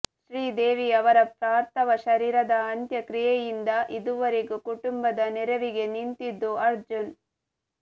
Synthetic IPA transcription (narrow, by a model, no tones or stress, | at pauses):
ʃɾiːd̪eːʋiɐʋɐɾɐpɾaːɾt̪ɐʋɐʃɐɾiːɾɐd̪ɐːnt̪jɐkɾijɛjind̪ɐʔid̪uʋɐɾeɡukuʈumbɐd̪ɐnɛɾɐʋiɡe̞nint̪id̪ːuɐɾd͡ʒun